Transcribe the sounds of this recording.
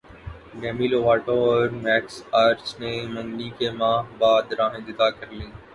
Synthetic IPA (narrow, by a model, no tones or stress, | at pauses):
ɡɛːmiːloʋaːʈoɔːɾmɛːksaːɾt͡ʃnemɐ̃ŋɡnikemaːɦbaːd̪ɾãːɦẽd̪ɪt̪akəɾlĩː